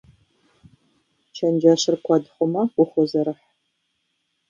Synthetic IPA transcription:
t͡ʃʰɐnd͡ʒɐɕɪrkʷʰɑdχʷʊmɐqʷʊχʷʊzɐɾɨħ

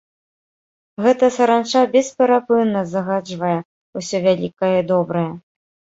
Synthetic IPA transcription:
ɣɛt̪ɐsɐɾant͡ʂabʲɛspʲɛɾapɨnːɐzɐɣad͡ʐvɐjɛ | usʲɔvʲalʲikɐjɐd̪ɔbɾɐjɐ

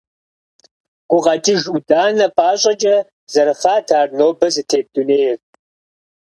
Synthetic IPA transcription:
qʷʊʁɐtʼiʒudaːnɐpʼaːɕʼɐt͡ʃʼɐ | zɐɾɨfaːtʰaːrnoːbɐzɨtʰeːb̚duneːjɪr

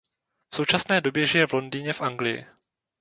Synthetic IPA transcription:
fso̞wt͡ʃasnɛːdobjɛʒɪjɛvlo̞ndiːɲɛfʔaŋɡlɪjɪ̰

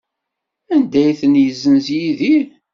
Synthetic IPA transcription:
ænd̪æjθənjəzːəmzjiði

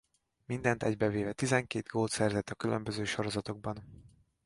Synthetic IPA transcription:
mind̪ɛnt̪ɛɟbɛveːvɛt̪izɛŋkeːd̪ɡoːlt̪sɛrzɛt̪ːɒkylømbø̞zøːʃo̞ɾo̞zɒt̪o̞ɡ̚bɒn

